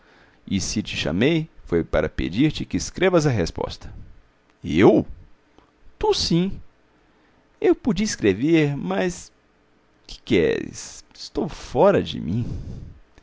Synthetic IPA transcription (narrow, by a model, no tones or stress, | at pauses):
ɪsɪt͡ʃɪ̥ʃɐ̰mejfojpaɾɐpḛd͡ʒiɾt͡ʃɪkɪːskɾevɐzɐɦespɔ̰st̪ɐ̥ | ew | t̪usĩ | ewpud͡ʒiiskɾeveɾmɐs | kʰɪ̥kɛ̰ɾɪ̰sɪst̪owfɔɾɐd͡ʒɪ̰mĩ